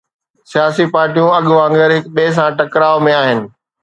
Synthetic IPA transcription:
sijaːsipaːɾʈijũɐɠʋãːŋɡəɾɦɪkɓeːs̬ãʈɐkɾaːʋmẽaːɦɪnɪ̆

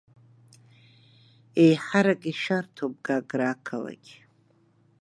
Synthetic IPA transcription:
ejħaɾakʼiʃartʰop̚ɡaɡrakʰala̰ɡʲ

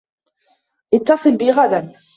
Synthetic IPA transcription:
ʔɪt̪ːɑsˤɨlbɪɣad̪an

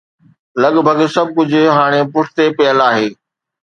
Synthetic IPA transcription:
lɐɠbʱɐɡsɐb̚ʱkʊd͡ʑʱʊ̆ɦaːɽ̃epʊʈʰt̪epɐəlaːɦeː

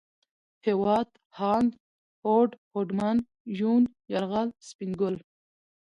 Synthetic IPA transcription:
hewɑːd̪ | hɑːnd̪ | hoɖhoɖman | ʒun | jaɾɣalspiŋɡʊl

